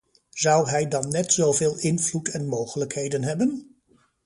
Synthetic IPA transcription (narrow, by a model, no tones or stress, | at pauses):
zʌwɦɛjdɑnːɛtsowvɪːlˠɪnvlutɛnmowχələkɦejdənɦɛbən